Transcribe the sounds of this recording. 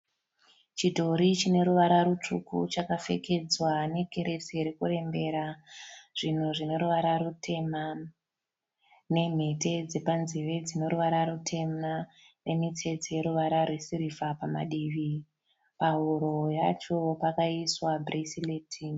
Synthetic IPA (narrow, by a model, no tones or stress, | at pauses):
t͡ʃidʱo̞ɾit͡ʃine̞ɾuʋaɾaɾut͡ʂukṵt͡ʃakafe̞̰ke̞d͡zwane̞kʰe̞ɾe̞seɾekure̞mbe̞ɾaʐ̥in̤uʐine̞ɾuʋaɾaɾutʰe̞ma | ne̞m̤e̞te̞d͡ze̞panziʋe̞d͡zine̞ɾuʋaɾaɾutʰe̞ma | re̞mite̞d͡zeje̞ɾuʋaɾarwesiɾifapama̰ɗiʋi | paɦuɾo̞jat͡ʃo̞pakaiswabʱresileːtʰi